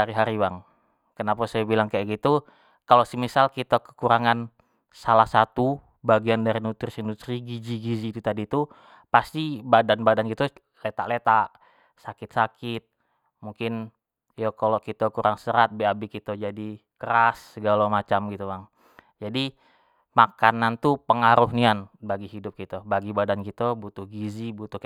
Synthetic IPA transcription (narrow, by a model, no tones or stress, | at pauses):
aɾiɦaɾibaŋ | kənapasajabilaŋkajaɡit̪u | kalosəmisalkit̪akə̥kuɾaŋan | salahsat̪u | baɡiandaɾinut̪ɪrsindut̪ɾiɡid͡ʒiɡid͡ʒit̪ut̪adiːt̪u | past̪ibadanbadanɡit̪u | let̪a̰ʔlet̪aʔ | sakɪt̪̚sakɪt̪̚ | muŋkɪn | jokolokit̪əkuɾaŋsəɾat̪̚beabikit̪əd͡ʒadikəɾasːəɡalomat͡ʃamɡit̪umaŋ | d͡ʒadi | makanant̪upəŋaɾʊɦnianbaɡiɦidʊp̚kit̪əbaɡibadankit̪əbut̪ʊhɡizibut̪ʊh